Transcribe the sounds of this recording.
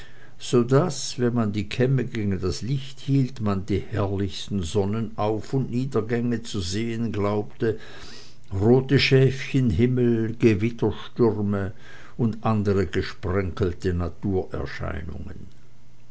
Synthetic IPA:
z̥oːdasvɛnmandiːkʰɛməɡeːɡn̩daslɪçthiːltmandiːhɛɐlɪçstn̩zɔnənaʊfʊntniːdɐɡɛŋət͡suzeːənɡlaʊptə | ʁoːtəʃɛːfçənɦɪml̩ɡ̥əvɪtɐʃtʏʁmə | ʊndʔandəʁəɡəʃpʁ̥ɛŋkl̩tənatʰuːɐʔɛ̰ɐʃa̰ɪnʊ̰ŋə̰n

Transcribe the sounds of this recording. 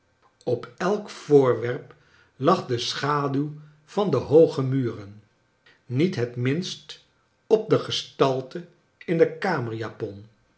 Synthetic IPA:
ɔpɛlˠkfʊːɹʋɛɹp | lɑχdəsχaːdyw | v̥ɑndəɦowχəmyːrənː | itɦətmɪnst | ɔp̚dəχəstɑlˠtə | ɪndəkaːməɹjaːpɔn

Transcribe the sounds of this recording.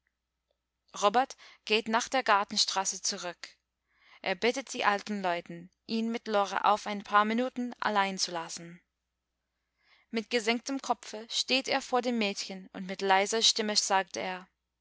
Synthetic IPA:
ʁɔbɛɐtɡ̥eːtnaːχd̥eːɐɡaɐtn̩ʃtʁ̥aːsət͡suʁʏk | ʔeːɐbɪtət̚d̥iːʔaltn̩lɔʏtn̩ | ʔiːnmɪtlɔʁə̰ʔa̰ʊfaɪnpʰaːɐminuːtn̩ʔa̰laɪnt͡sulasn̩ | mɪt̚ɡ̥əzɛŋk̚təmkʰɔpfəʃteːteːɐfoːɐdeːmːɛːtçənʊ̰ntmɪtlaɪzɐʃtɪməz̥aːk̚teːɐ

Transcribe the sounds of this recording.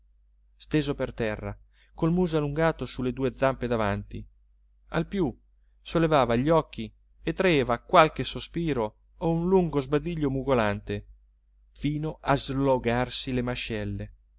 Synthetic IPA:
st̪eːzopert̪ɛrːa̰ | kolmuːzoaluŋɡaːt̪osuled̪uːed̪zamped̪avant̪i | alpju | solːevaːvaʎːɔk̟ːi | et̪ːɾaeːvakwalk̟esospiːɾo | ounluŋɡozbad̪iʎːomuɡolant̪e | fiːnoʔazloɡarsilemaʃɛlːe

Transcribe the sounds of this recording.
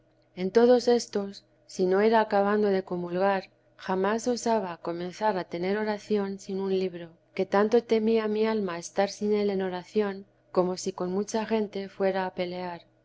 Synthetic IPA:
e̞nt̪o̞ð̞o̞se̞st̪o̞sː | ino̞eɾaːkaβ̞and̪o̞ðe̞ko̞mulɣaɾ | xamaso̞saβ̞ako̞mẽ̞nθaɾat̪e̞ne̞ɾo̞ɾaθjo̞nsinunliβɾo̞ | ke̞t̪ant̪o̞t̪e̞miamialmaest̪aɾsine̞le̞no̞ɾaθjo̞ŋ | ko̞mo̞siko̞nmut͡ʃaxe̞nt̪e̞fwe̞ɾaːpe̞le̞aɾ

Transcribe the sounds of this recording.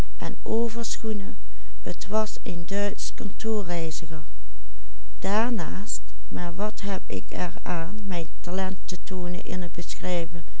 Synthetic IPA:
ʔɛ̰nʔoːvəɹsχunə | ətʋɑs | endœɥtskɔntʰoːɹrɛjzəχəɹ | d̥aːɹnaːst | maːɹʋɑtɦɛpɪ̰kʰɛɹaːnmɛjntalɛntətoːnə̰nʔɪ̰nəd̚bəsxrɛjvə

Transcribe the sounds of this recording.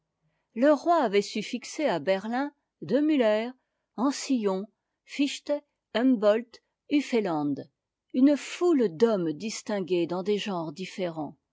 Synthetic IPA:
ləʁwaːvɛsyfikseabɛʁlɛ̃ | d̪əmylɛʁ | ɑ̃sijɔ̃ | fiʃt̪ɛ | ɛmbɔlt̪ | yfelɑ̃d̪ | ynfuld̪ɔmd̪ist̪ɛ̃ɡʲed̪ɑ̃d̪eʒɑ̃ʁd̪ifeʁɑ̃

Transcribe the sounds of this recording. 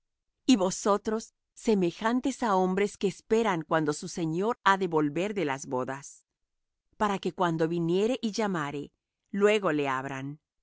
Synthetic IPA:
iβo̞so̞t̪ɾo̞sː | e̞me̞xant̪e̞sao̞mbɾe̞skeːspe̞ɾaŋkwand̪o̞suse̞ɲo̞ɾaðe̞βo̞lβe̞ɾðe̞lazβo̞ðas | paɾake̞kwand̪o̞βinje̞ɾe̞ʔiʝamaɾe̞ | lwe̞ɣo̞le̞aβɾan

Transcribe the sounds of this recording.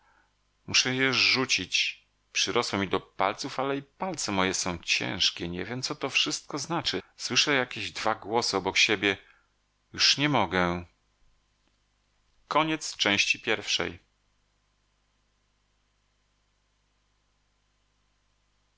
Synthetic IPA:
muʂɛjɛʐut͡ɕit͡ɕ | pʂɘɾʔɔswɛmʲid̪ɔpa̰lt̪sufalɛipalt̪sɛmɔjɛsɔ̃w̃t͡ɕɛ̰̃w̃ʂkʲɛɲɛ̰vʲjɛmt̪sɔt̪ɔfʂɘst̪̚kɔznat͡ʂɘswɘʂɛjakʲeʑd̪vaɡwɔsɘɔbɔkɕebʲjɛ | juʂɲɛmɔɡɛ | kɔɲɛt̪st͡ʂɛ̃w̃ɕt͡ɕipʲjɛɾfʂɛ̰j

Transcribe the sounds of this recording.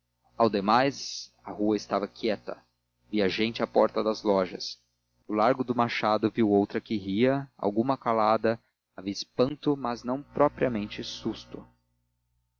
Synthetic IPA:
awd̪emajs | ɐhuɐɪst̪avɐkiɛt̪ɐ | viɐʒẽnt͡ʃɪapɔɾt̪ɐd̪ɐzlɔʒɐs | ʊlaɾɡʊd̪ʊmaʃad̪ʊviwowt̪ɾɐkɪɦiɐa̰wɡũmɐkalad̪ɐ | aviɐɪspɐ̃nt̪ʊmɐznɐ̃w̃pɾɔpɾiɐmẽnt͡ʃɪsust̪ʊ

